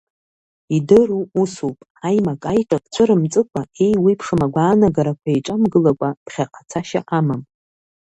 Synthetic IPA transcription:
idɨruusupʼ | ajmakʼajkʼakʼt͡sʷʰɨɾɨmt͡sʼɨkʷʰʼae̞jwipʰʂɨmaɡʷaːnaɡaɾakʷʰaiʈ͡ʂʼamɡɨlakʷʼapχʲaqʼat͡sʰaʃa̰ʔamam

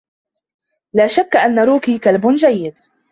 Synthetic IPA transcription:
laːʃakːaʔanːaɾuːkiːkalbʊnd͡ʒajːɪd̪

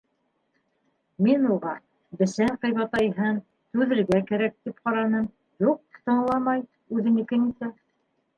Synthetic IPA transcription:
minuʁɑ | bɘ̆sæŋqɤ̆jβɑt̪ɑjɦɤn | t̪ʉðɘ̆lɡækæɾæk̚t̪ipqɑɾɑnɤm | juq̚t̪ɤ̆ɴlˠɑmɑj | ʉðɘ̆nɘ̆kɘnit̪æ

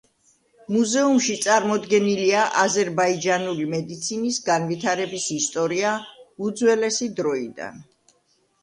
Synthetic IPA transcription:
muzɛumʃit̪sʼaɾmɔd̪ɡɛniliaʔazɛɾbaid͡ʒanulimɛd̪it̪sʰinisɡanvit̪ʰaɾɛbisist̪ʼɔɾiaud̪zwɛlɛsid̪ɾɔid̪a̰n

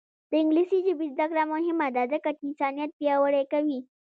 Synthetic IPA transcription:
d̪əiŋɡlisid͡ʒibisd̪ɐkɾamoɦimːad̪ad̪ɐkɐʈinsaːnijat̪̚pijawəɾekɐwi

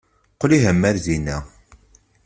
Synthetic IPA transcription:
qliɦəmːæɾðinæ

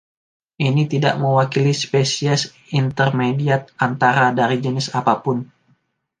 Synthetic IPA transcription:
ʔinit̪ida̰ʔməwakilispesiɛs | int̪ərmediat̪̚ant̪aɾadaɾid͡ʒənɪsapapʊn

